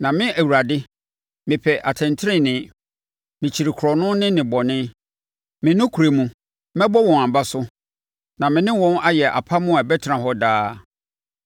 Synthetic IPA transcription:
nã˨mɪ̃˦ʔæ˨wu˨ɾa˨dɪ˦ | mɪ̃˨pʰɛ˨ʔa˨tʰɛ̃˨ntʰɪ˦ɾɪ̃˦˨nɪ̃˨˦ | mɪ̃˨t͡ɕʰi˨ɾi˨kʰʊ˨ɾɔ˨nʊ̃˦nɪ̃˦nɪ̃˨bɔ˨nɪ̃˦ | mɪ̃˨nʊ̃˦kʰu˨ɾe˨mũ˨ | mɛ̃˦bɔ˦wɔ̃˨ã˨m˨ba˦sʊ˦ | nã˨mɪ̃˨nɪ̃˦wɔ̃˦na˦jɛ˨ʔa̰˨pʰa˦mʊ̃˦a˨bɛ˦tʰɾã˨ɦɔ˦daː˦

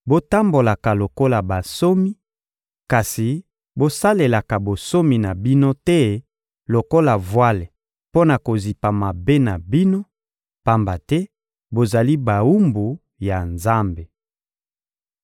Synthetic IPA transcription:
bo˦ta˦mbo˨la˨ka˨lo˨ko˦la˨ba˨so˦mi˦ | ka˨si˨ | bo˦sa˦le˨la˨ka˨bo˨so˦mi˨na˨bi˦no˦tɛ˦ | lo˨ko˦la˨vwa˦le˨ | po˦na˨ko˨zi˨pa˨ma˨be˦na˨bi˦no˦ | pa˦mba˨tɛ˦ | bo˨za˨li˦ba˨u˦mbu˨ | ja˨nza˦mbe˨

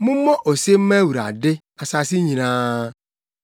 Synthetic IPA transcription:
mʊ˦m̩˦mɔ˦ʔo˨se˦m̩˦me˦wu˨ɾa̰˨dɪ˦ | a˨sa˨si˦ɲi˨na˨˦

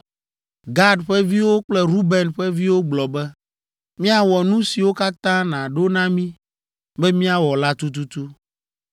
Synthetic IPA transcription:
ɡa˦ɖɸɛ˦vi˦wo˦k͡plɛ˦ɾu˦bɛ˨nɸɛ˦vi˦wo˦ɡ͡blɔ˨bɛ˦ | mĩ˦a˨wɔ˨nũ˦si˨wo˦ka˦t̪ã˦nã˨ɖo˦nã˦mĩ˦ | bɛ˦mĩ˦a˨wɔ˨la˦t̪u˦t̪̬u˦t̪u˦

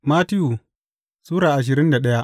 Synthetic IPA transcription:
maː˦ti˦ju˨ | suː˦ɾaː˨ʔa˨ʃ̬ɪ˨ɾɪ˦nda˨ɗɐ˦ja˦

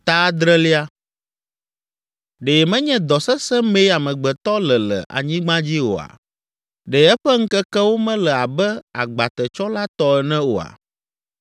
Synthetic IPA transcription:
t̪a˦d̪ɾɛ˦li˦a˦ | ɖe˨mɛ̃˦ɲɛ̃˦d̪ɔ˨sɛ˦sɛ˦mẽ˦ja˨mɛ̃˨ɡ͡bɛ˨t̪ɔ˦lɛ˨lɛ̰˨ʔa̰˨ɲĩ˦ɡ͡bã˦d͡ʑi˦wo̰˨a̰˨ | ɖɛ˨ɛ˦ɸɛ˦ŋ̩˦kɛ˦kɛ˦wo˦mɛ̃˦lɛ˨a˨bɛ˦a˨ɡ͡ba˨t̪ɛ˨t͡ʃɔ˦la˦t̪ɔ˦ɛ˨nɛ̃˦wo˨a̰˨

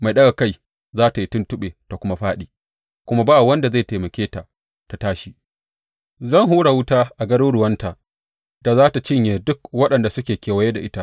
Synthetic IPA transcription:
ma˨jɗɐ˦ɡa˨ka˦˨j | zaː˦ta˨ji˦tʊ˦ntʊ˦ɓeː˨ta˨kʷʊ˦ma˦ɸaː˦ɗiː˨ | kʷʊ˦ma˦baː˦˨wɐ˦nda˨za˦˨teː˨mɐ˨kʲeː˦ta˨ʔ | ta˨taː˦ʃi˨ | zɐ˦˨ŋɦuː˦ɽa˨wʊ˦taː˦ʔa˨ɡɐ˦ɾʊ˦ɽʊ˨wɐ˦nta˨ | da˨zaː˦ta˨t͡ʃɪ˦ɲjeː˨dʊ˦kwɐ˦ɗɐ˨nda˨sʊ˦kʲeː˨kʲeː˨wɐ˨jeː˦da˨ʔɪ˦ta˦ʔ

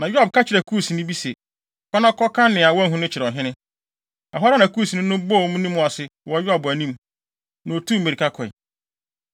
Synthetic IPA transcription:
nã˨jᶣʊ˦a˨b̚kʰa˦t͡ɕʰɪ˨ɾɛ˨kʰu˦˨si˨nɪ̃˦bi˦se˨ | kɔ˦nã˦kʰɔ˦kʰã˦nɪ̃˨a˨wɔ̃˦ɦʊ̃˦nʊ̃˦t͡ɕʰɪ˨ɾɔ˨ɦɪ̃˦nɪ̃˦ | a˨ɦa˦ɾa˦nã˨ku˦˨si˨nɪ̃˦nʊ̃˦bɔ˦˨wmũ˦nĩ˦mʊ̃˨a˨sɪ˦wɔ˨˦ja˨bʊ˨æ˨nĩ˦m | nʊ̃˨o˨tʰũ˦˨me˨ɾi˨kʰa˦kʰɔ˨ḭ˨

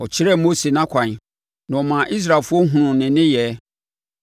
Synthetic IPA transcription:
ɔ˨t͡ɕʰɪ˦ɾɛ˦mo˦se˨nã˦kʷʰã˨ɲ˨ | nã˨ɔ˨mã˨ʔi˦s̬ɾa˨fʊ˦ɔ˦ɦũ˨ɾʊ̃˨nɪ̃˨nɪ̃˦jɛ˨˦

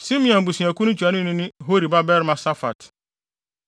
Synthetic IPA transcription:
sĩ˦mĩ˦˨ɔ̃˨m˨bu˨sĩ˨a˨ku˦nʊ̃˦t͡ɕʰᶣu˨a˨˦nʊ̃˦nɪ̃˦nɪ̃˦ɦo˦ɾi˨ba˦bɛ˦ɾmã˨sa˦fa̰˨t

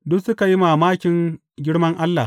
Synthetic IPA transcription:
dʊ˦sʊ˦ka˨ji˦maː˨maː˦kʲɪ˨ŋ | ɡʲɪ˦ɽmɐ˦ŋʔa˦lːa̰˨h

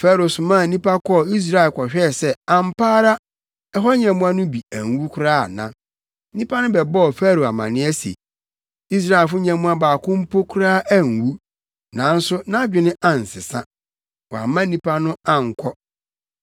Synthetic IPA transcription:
faː˦ɾo˨sʊ˨mã˦˨nĩ˦pa˦kʰɔ˦˨i˦s̬ɾa˦ɪ˨lkʰɔ˨ɕᶣɛ˦˨sɛ˦ã˨m˦paː˦ɾa˦ | ɛ˦ɦɔ˦ɲɛ̃˨mũ˦a˦nʊ̃˦bi˨æ˨ŋ˨wu˦kʰʊ˦ɾaː˦a˨nã˦ | nĩ˦pʰa˦nʊ̃˦bɛ˨bɔ˦ɔ˨fæː˦ɾo˨a˨mã̰˨nɪ̃˦ɛ˦sḛ˨ | i˦s̬ɾa˦ɪ˨fʊ˦ɲɛ̃˨mũ˦a˦baː˨kʰʊ̃˦m̩˦pʰo˦kʰʊ˦ɾaː˦ʔæ˦˨ŋ˨wu˦ | nã˨˦n̩˦sʊ˦nã˦d͡ʑᶣɪ˨nɪ̃˦ʔã˨n̩˨sɪ˨sã̰˦ | wɔ˨a̰˨mã˦nĩ˦pʰa˦nʊ̃˦ã˦ŋ̩˨kʷʰɔ˦

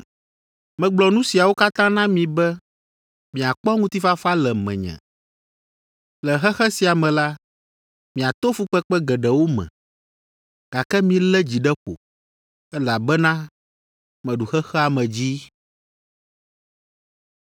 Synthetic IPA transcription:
mɛ̃˨ɡ͡blɔ˨nũ˦si˨a˨wo˦ka˦t̪ã˦nã˦mĩ˨bɛ˦ | mĩ˨a˨k͡pɔ˦ŋũ˦t̪i˦fa˦fa˦lɛ˨mɛ̰̃˨ɲɛ̰̃˨ | lɛ˨ɦɛ˦xɛ˦si˨a˨mɛ̃˨la˦ | mĩ˨a˨t̪o˦fu˦k͡pɛ˦k͡pɛ˦ɡɛ˨ɖɛ˨wo˦mɛ̰̃˨ | ɡ̥a˨kɛ˦mĩ˨lɛ˦d͡ʑi˨ɖɛ˦ɸo̰˨ | ɛ˦la˨bɛ˦nã˦ | mɛ̃˨ɖu˨xɛ˦xɛ˦a˨mɛ̃˨d͡ʑi˦

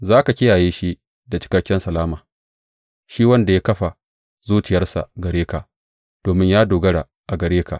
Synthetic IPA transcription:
zaː˦ka˨kʲɪ˦jaː˨jeː˦ʃi˦ʔ | da˨t͡ʃɪ̥˦kɐ˦kʲːɪ˦nsɐ˨laː˦maː˨ | ʃiː˦wɐ˦nda˨jaː˦kɐ˦ɸa˨ | zuː˦t͡ʃɪ˨jɐ˦rsa̰˨ɡɐ˨ɾeː˦ka˨ʔ | d̥oː˨mɪ˦ɲjaː˦doː˨ɡɐ˦ɽa˨ | ʔa˨ɡɐ˨ɾeː˦ka̰˨

